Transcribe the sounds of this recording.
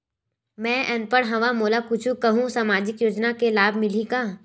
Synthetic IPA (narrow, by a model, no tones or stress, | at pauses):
mɛ̃ːʔɛnpəɾɦɐʋamoːlakʊt͡ʃʰukɐɦũsaːmaːd͡ʒɪkjoːd͡ʒnakelaːbʱmɪliɡaː